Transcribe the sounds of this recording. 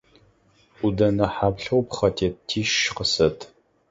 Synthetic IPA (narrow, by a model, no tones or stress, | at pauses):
udɐnɐħaːbɬɐwpχɐtʰeːtʰiːʃqəsɐtʰ